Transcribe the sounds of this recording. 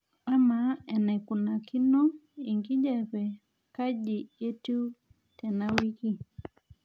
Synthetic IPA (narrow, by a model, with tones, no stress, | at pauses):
a˦ma˨ɛ˨nɛ˨ku˨na˨ki˦nɔ˦i˨ŋɡi˦d͡ʒɛ˦˨pɛ˨ | ka˦ʄi˨e˦tu˦ | tɛ˨na˦wi˦ki˦